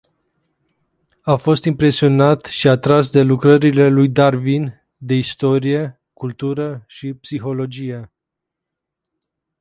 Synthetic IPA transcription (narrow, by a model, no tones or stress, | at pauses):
afo̞st̪impɾe̞sio̞nat̪ʃiat̪ɾas̬d̪e̞lukɾəɾile̞lujd̪arvin | d̪e̞ist̪o̞ɾije̞ | kult̪uɾəʃipsixo̞lo̞d͡ʒije̞